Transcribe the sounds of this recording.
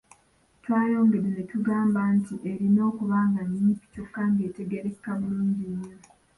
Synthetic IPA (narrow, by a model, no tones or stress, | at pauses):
twaːjo̞ːŋɡedenetuɡaːmbantiʔeɾino̞ːkuβaːŋɡaɲːiːpi̥cukːaŋɡe̞ːte̞ɡe̞ɾe̞kːamuluːɲɟiɲːo